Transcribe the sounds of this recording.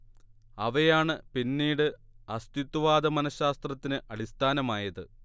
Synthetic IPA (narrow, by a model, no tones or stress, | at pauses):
ɐʋɐjaːɳɨpinːiːɽɨɐst̪it̪ːuʋaːd̪ɐmɐnɐɕaːst̪rɐt̪ːinɨʔɐɽist̪ʰaːnɐmaːjɐðɨ